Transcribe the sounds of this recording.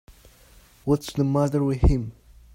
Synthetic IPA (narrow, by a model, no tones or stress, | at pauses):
wʌtsðəmʌðə˞wɪð̥hɪ̃m